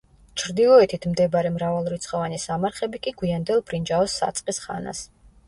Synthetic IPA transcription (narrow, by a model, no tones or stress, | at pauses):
t͡ʃʰɾd̪ilˠɔɛt̪ʰit̪ʰmd̪ɛbaɾɛmɾavalˠɾit̪sʰχɔvanisamaɾχɛbikʼiɡwiand̪ɛlˠbɾind͡ʒaɔsːa̰t̪sʼqʼisχa̰na̰s